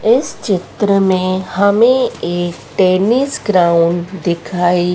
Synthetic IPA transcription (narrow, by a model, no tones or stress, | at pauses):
ɪst͡ʃɪt̪ɾəmẽhɐmẽeːk̚ʈeːnisɡɾaʊɳɖd̪ɪkʰaːi